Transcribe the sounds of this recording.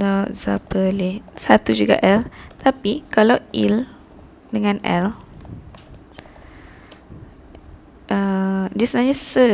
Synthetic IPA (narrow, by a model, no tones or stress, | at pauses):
dɔʔzapəlisat̪ud͡ʒuɡa̰ʔɛlt̪apikalawil | dəŋãnɛ̰l | ʔədiasənaɲasə